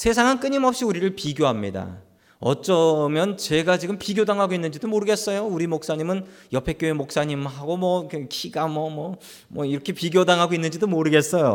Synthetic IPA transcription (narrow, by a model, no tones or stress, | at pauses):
sʰe̞sʰaŋank͈ɯɲimʌp̚ɕ͈iuɾiɾɯɭpiɡjoɦamɲida̰ | ʌ̰t͡ɕ͈ʌmjʌnt͡ɕe̞ɡat͡ɕiɡɯmpiɡjodaŋɦaɡoinːɯnd͡ʑidomoɾɯɡe̞s͈ʌjouɾimok̚s͈aɲimɯnjʌpʰe̞k͈joemok̚s͈aɲimɦaɡomʌkɯkʰiɡamʌmʌ | mʌiɾʌkʰe̞piɡjodaŋɦaɡoinːɯnɲd͡ʑidomoɾɯɡe̞s͈ʌjo̰